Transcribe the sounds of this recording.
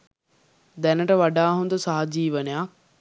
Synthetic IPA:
d̪ɛnəʈəʋaɖaːɦund̪usaɦad͡ʒiːʋənejak

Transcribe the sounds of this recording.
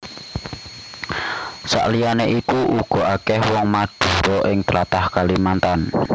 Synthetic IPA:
sa̰ʔlijaneʔikuʔuɡ̥ɔ̤ʔakɛhwɔŋmad̪̥uɾɔʔɪŋt̪əlat̪ahkalimant̪an

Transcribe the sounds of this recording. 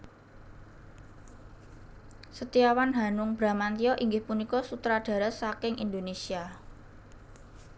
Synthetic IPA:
sət̪iawanɦanʊŋb̥ɾa̤mant̪iɔʔiŋɡɪhpunikɔsut̪ɾaɖ̥a̤ɾəsakɪŋʔind̪onesia

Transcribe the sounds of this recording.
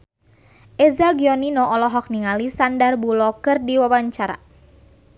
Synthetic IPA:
ʔɛzaɡiɔninɔʔɔlɔɦɔk̚niŋalisandarbulɔkərdiwawaɲt͡ʃaɾa̰

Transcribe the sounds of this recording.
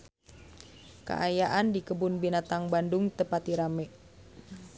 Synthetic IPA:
ka̰ʔajaʔandikəbunbinat̪aŋbandʊŋt̪əpat̪iɾamɛ

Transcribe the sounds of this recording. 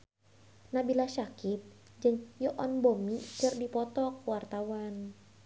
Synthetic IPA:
nabilasakip̚ | d͡ʒɨŋjɔʔɔnbomikɨrdipɔt̪ɔk̚wart̪awan

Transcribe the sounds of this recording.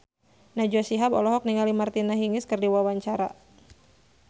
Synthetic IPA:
nad͡ʒɔsiɦabɔ̰lɔɦɔk̚niŋalimart̪inaɦiŋɪskɨrdiwawaɲt͡ʃaɾa̰

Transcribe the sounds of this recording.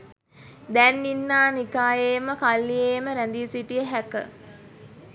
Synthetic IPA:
d̪ænːinːaːnikaːjeːməkalːieːməɾænd̪iːsiʈijəɦækə

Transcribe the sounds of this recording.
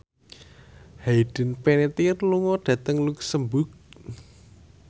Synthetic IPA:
haiɖ̥ə̤npenet̪irluŋɔɖ̥ä̤t̪əŋluksəmbʊk̚

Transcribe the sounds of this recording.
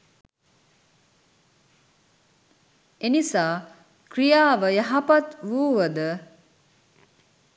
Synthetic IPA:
enisaː | kɾijaːʋəjaɦɐpat̪ʋuːʋəd̪ə

